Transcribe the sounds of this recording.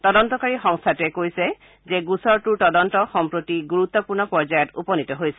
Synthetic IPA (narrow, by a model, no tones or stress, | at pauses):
tɔdɔntɔkaɹixɔŋst̪ʰatɛkojsɛ | zɛɡusɔɹtuɹtɔdɔntɔxɔmpɹotiɡuɹut̪ːɔpuɹnɔpɔɹd͡ʒajɔtupɔnitɔɦojsɛ̥